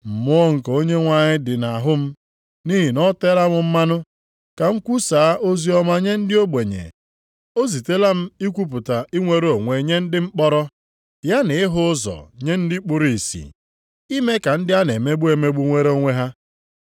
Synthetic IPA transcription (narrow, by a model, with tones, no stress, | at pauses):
m̩˨mʊ˦ɔ˦ŋ̩˨ko˦ɲe˦ŋʷa˦˨ɲɪ˦dɪ˨na˨ɦʊ˦m̩˦ | ni˦ɦi˨nɔ˦te˦la˦ŋʷʊ˨m̩˦ma˦nʊ˦ | ka˨ŋ̩˦kʷu˦saː˨a˦ʔo˦zi˦ɔ˦ma˦ɲe˦n̩˦dɪ˦o˦be˨ɲḛ˨ | o˦zi˨te˦la˦m̩˦i˦kʷu˦p̬ʊ˨ta˨i˦ŋʷe˦ɾo˨ŋʷe˨ɲe˦n̩˦dɪ˦ŋ͡m̩˦k͡pɔ˦ɾɔ˦ | ja˦ne˨ɪ˦ɦʊ˦zɔ̰˨ɲe˦n̩˦dɪ˦k͡pʊ˦ɾi˨sḭ˨ | i˦me˦ka˨n̩˦dɪ˦a˦ne˨me˦ɡ͡bu˦e˨me˦ɡ͡bu˦ŋʷe˦ɾo˦ŋʷe˦ɦa˦